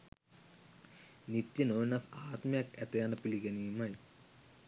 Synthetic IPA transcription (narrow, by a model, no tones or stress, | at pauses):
nit̪jɐnoːnɐsaːt̪mjɐket̪ːɐjanɐpiliɡɐnijumaːji